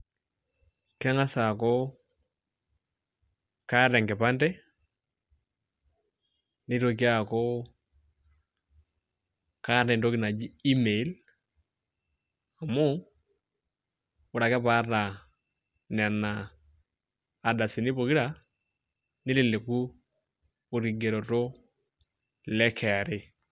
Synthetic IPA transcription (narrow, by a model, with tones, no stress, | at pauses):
kɛ˦ŋa˦sa˨kɔ˦ | ka˦ɾɛ˨ŋkɛ˨pa˦ntɛ˦ | ni˦ɾo˨k̬i˦a˦ko˦ | ka˦ɛ˨ndo˦ki˨na˨d͡ʒi˦i˦me˨˦l | a˨mo˦ | ʊ˨ɾa˨kɛ˦pa˦ɾna˨ | nɛ˨a˨na˨ | da˨sɪ˨ni˦bo˨ki˦ɾa˨ | nɪ˦lɪ˨le˨ku˦ | u˨ɾi˨ɡe˨ɾo˨to˦ | lɛ˦kʰɛ˨a˨ɾe˦